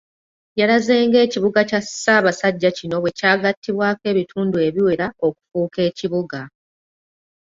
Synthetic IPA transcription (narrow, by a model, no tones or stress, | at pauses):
jaɾaze̞ːŋɡe̞ːciβuɡacasaːβasaɟːacino̞βwe̞caːɡatʰːiβwaːke̞ːβitʰuːndue̞βiwe̞ɾao̞ku̥fuːke̞ːciβuɡa